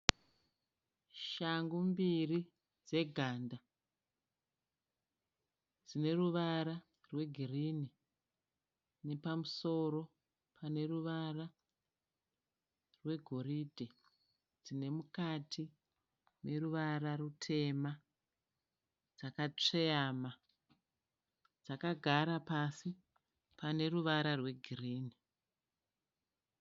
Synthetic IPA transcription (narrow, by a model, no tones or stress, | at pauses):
ʃaŋɡumbiri | d͡ze̞ɡʱaːnda | d͡zine̞ruʋaɾa | rwe̞ɡʱirini | ne̞pamuso̞ɾo̞ | pʰane̞ruʋara | rwe̞ɡʱo̞ɾiːdʱe | d͡zine̞mukatʰi | ne̞ɾuʋaɾarutʰe̞ma | d͡zakat͡ʂeama | d͡zakaɡʱaɾapasi | pane̞ruʋaɾarwe̞ɡʱiriːni